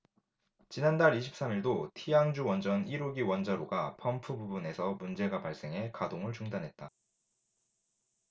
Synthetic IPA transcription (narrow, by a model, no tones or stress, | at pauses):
t͡ɕinandaɾiɕʰi̥p̚s͈amiɭdotʰijaŋd͡ʑuwʌnd͡ʑʌniɾoɡiwʌnd͡ʑaɾoɡapʰʌmpʰububune̞sʰʌmund͡ʑe̞ɡapaɭs͈e̞ŋɦe̞kadoŋɯɭt͡ɕuŋdanɦe̞t̚t͈a